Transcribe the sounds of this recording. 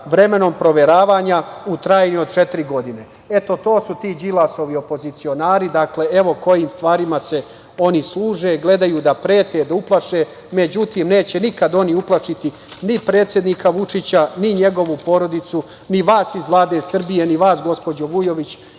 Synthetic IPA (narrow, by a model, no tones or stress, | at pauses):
ʋɾe̞me̞no̞mpɾo̞ʋe̞ɾaːʋaːɲaut̪ɾaːjnio̞d̪̚t͡ʃe̞t̪iɾiɡo̞d̪ine̞ | e̞t̪o̞t̪o̞ːsut̪iːd͡ʒilˠaso̞ʋio̞po̞zit̪sio̞naːɾid̪akle̞eʋo̞ko̞jiːmst̪ʋaːɾimase̞ | o̞nislˠuːʒe̞ɡle̞d̪ajuːd̪apɾe̞ːt̪ed̪auplˠaʃe | me̞d͡ʑut̪iːmne̞ːt͡ɕe̞nikad̪o̞niuplˠaʂit̪i | nipɾe̞ːt̪sjed̪nikaʋut͡ʂit͡ɕaniɲe̞ɡo̞ʋupo̞ɾo̞d̪it̪su | niʋaːsizʋlˠaːd̪e̞sr̩bije̞niʋaːsɡo̞spo̞d͡ʑoʋujo̞ʋit͡ɕ